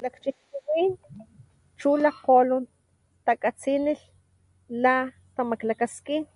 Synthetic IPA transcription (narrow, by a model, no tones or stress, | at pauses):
lakt͡ʃihkuwin | t͡ʃulaqolun | t̪akʼat͡sinil | la | t̪amaklakaskin